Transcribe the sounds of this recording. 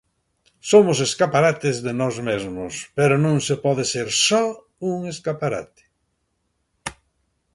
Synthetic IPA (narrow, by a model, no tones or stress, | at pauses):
somʊs̬eskapaɾat̪ɪzðenɔzmezmʊspeɾʊnõŋsepɔðeseɾsɔ | uŋeskapaɾa̰t̪ɪ̥